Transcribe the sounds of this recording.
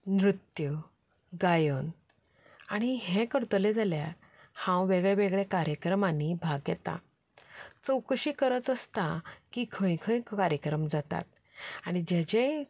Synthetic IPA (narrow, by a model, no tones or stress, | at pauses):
nɾut̪ju | ɡajən | aɽ̃iɦẽkəɾt̪əled͡zaljaɾ | hãwʋeɡɭeʋeɡɭekaɾjəkɾəmanibʱaɡjɛt̪a̰ | t͡səwkəɕiːkəɾət̪əst̪akikʰə̃jkʰə̃jkkaɾjəkɾəmd͡zat̪a̰t̪̚ | aɽ̃id͡ʑed͡ʑe